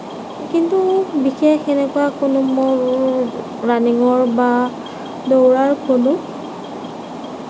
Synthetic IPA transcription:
kintubixexɛnɛkʊakʊnʊmɔ | ɹaniŋɔɹba | dowɹaɹkʰonʊ

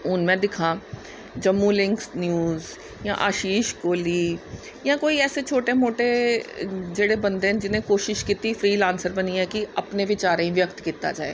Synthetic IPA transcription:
ʊnmɛ̃ːd̪ɪkʰã | d͡ʒɐmːulɪ̃ŋksnjuːz | jã̰ʔaːʃiːʃkoːliː | jãːkoːiɛːset͡ʃʰoːʈemoːʈe | d͡ʒeːɽebɐ̃nd̪eɦd͡ʒɪnẽkoːʃɪʃkiːt̪ifʰɾiːlãːnsəɾbɐniɦɛkiɐpneʋɪt͡ʃaːɾẽĩʋjəkt̪kiːt̪a̰d͡ʒa̰ːḛː

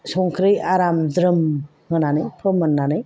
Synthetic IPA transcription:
sɔŋkʰɾɯjaɾamdɾɯm | ŋɯnanɯjpʰɯmənːanɯj

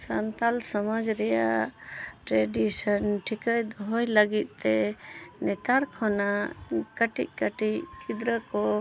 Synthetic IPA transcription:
sant̪alsɔmad͡ʒɾɛjaʔʈɾɛɖisənʈʰikajd̪ɔɦɔjləɡit̪̚ˀt̪ɛnɛt̪aɾkʰɔnakəʈḭʔ̚kəʈiʔkid̪ɾəkɔ

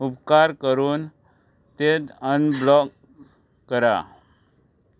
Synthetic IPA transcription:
upkaɾkəɾuːn | t̪et̪ənblɔk | kːəɾa̰

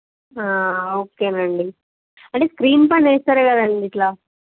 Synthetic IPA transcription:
aːoːkeːnɐɳɖi | ɐɳʈeːskɾiːnpaɳeːst̪aːɾeːkɐd̪aːɳɖiːʈlaː

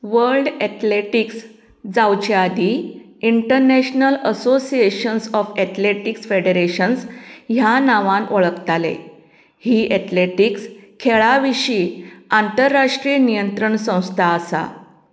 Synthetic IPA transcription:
ʋəɾlɖɛt̪leʈiks | d͡zawt͡ɕead̪ʱi | iɳʈəɾnɛɕnələsosieɕənsɔfɛt̪leʈiksfeɽeɾeɕənsɦjanaʋãnʔoɭəkt̪alḛ | hiːʔɛt̪leʈikskʰeɭaʋiɕiːant̪əɾːaʂʈɾiənijənt̪ɾəɳsə̃w̃st̪ʰaəsa̰

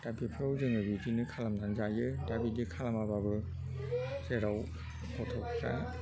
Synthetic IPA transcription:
dabipʰɾɔwzeŋɯbitinɯkʰalamnanzajɯdabidikʰalamababɯ | zeɾaw | pʰɔtʰɔkʰka̰

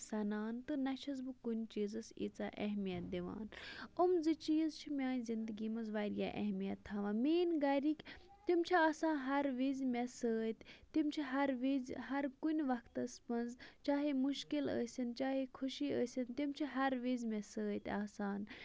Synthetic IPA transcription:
sɐnaːnt̪ɨnɐt͡ʃʰɐzbɨkunʲt͡ʃiːzɐsḭt͡saːʔɐɦmijɐt̪̚d̪iʋa̰ːnumzɨt͡ʃiːzt͡ʃʰimʲaːnʲzind̪ɨɡiːmɐzʋaːɾja̰ːʔɐ̰ɦmijɐt̪ʰːaʋãːmeːnɡɐɾikʲ | t̪imt͡ʃʰiaːsãːnɦɐɾʋizmʲesəːt̪ʲt̪imt͡ʃʰiɦɐɾʋizɦɐɾkunʲʋɐkʰt̪ɐspɐnzt͡ʃaːɦemuʃkilə̰ːsʲɐnt͡ʃaːɦekʰuʃiːəːsʲint̪imt͡ʃʰiɦɐɾʋizʲmesəːt̪ʲaːsaːn

